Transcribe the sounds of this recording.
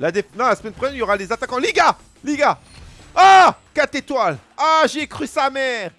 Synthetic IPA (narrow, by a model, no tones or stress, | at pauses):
lad̪efnɔ̃lasəmɛnpχɛʃɛnjɔʁalezat̪akɑ̃liɡa | liɡa | akat̪et̪wal | aʒekχysamɛʁ